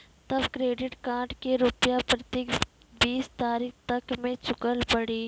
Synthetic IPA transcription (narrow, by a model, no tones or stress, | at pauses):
t̪ɐbkɾeːɖɪʈkãːʈkeɾʊpjapɾɐt̪eːk | biːst̪aːɾiːkt̪ɐkmẽt͡ʃʊkəlpɐɽiː